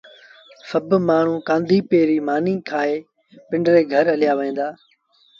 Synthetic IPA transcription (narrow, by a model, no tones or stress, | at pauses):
səbmaːɳ̤ũːkãːnd̪ʱiːpeːɾiːmaːnĩːkʰaːeː | pɪ̃ɳɖɾeːɡʱəɾəlɪjaːʋəĩːnd̪aː